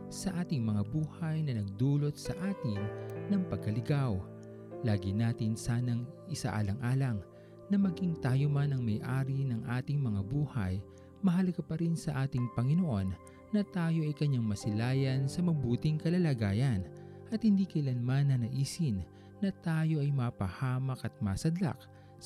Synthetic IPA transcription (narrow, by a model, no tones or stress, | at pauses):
sɐʔaːt̪ɪŋmɐŋabuːhɐjnɐnɐɡ̚d̪uːlo̞t̪̚sɐ̰ʔaːt̪ɪŋnɐŋpɐɡ̚kɐlɪɡaw | laːɡɪnaːt̪ɪnsaːnɐŋʔɪsa̰ʔa̰lɐŋʔaːlɐŋ | nɐmɐɡiŋt̪aːjomanɐŋmɐjʔaːɾinɐŋʔaːt̪ɪŋmɐŋabuːhɐ̰j | mɐɦɐlɐɡapɐɾinsɐʔaːt̪ɪŋpɐŋɪnoʔo̞nː | ɐt̪aːjo̞ʔɐjkɐɲaŋmɐsɪlaːjɐnsɐmɐbuːt̪ɪŋkɐlɐlɐɡaːjɐn | ʔɐt̪hɪnd̪ikɐʔɪlanmanːɐnɐʔiːsɪnː | ɐt̪aːjo̞ʔɐjmapɐhaːmɐkɐt̪̚maːsɐd̪la̰k̚